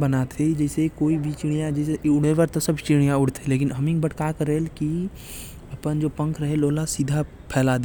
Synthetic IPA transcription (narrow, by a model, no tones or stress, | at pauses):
bənat̪ʰed͡ʒɛːsekoːibʱit͡ʃiɽ̃ijãd͡ʒɛːseʊɽ̤eʋəɾt̪osɐbt͡ʃiɽ̃ijãʊɽ̤t̪ʰeleːk̬ɪnɦəmɪ̃ŋɡbəʈkakəɾeːlki | ɐpənd͡ʒoːpə̃ŋkʰɾəɦeloːlasiːd̪ʱa | pʰɛːlaːd̪e